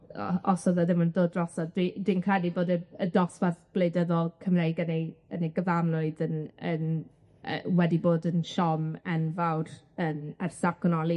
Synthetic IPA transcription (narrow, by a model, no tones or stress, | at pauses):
ɔ̰sɔðɔðɪməndoːdrɔsɔd̥id̥winkʰɛdiboːdəədɔsvaθb̥lejdəðɔlˠkʰəmrejɡənejənejɡəvanlʊɨðənən | ə̰wɛdiboːdənʃɔmɛnvawr | ənərsakʰɔnɔlˠi